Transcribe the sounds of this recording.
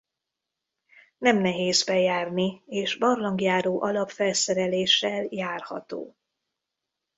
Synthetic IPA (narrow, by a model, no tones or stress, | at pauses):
nɛmnɛɦeːzbɛjaːrnieːʃbɒrlɒŋɡjaːɾoːʔɒlɒpfɛlsɛɾɛleːʃːɛljaːrhɒ̰t̪o̰ː